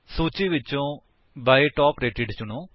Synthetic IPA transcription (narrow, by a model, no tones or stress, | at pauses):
suːt͡ʃiːʋɪt͡ʃːõː | baːiʈɔːpɾeːʈɪɖt͡ʃʊɳõː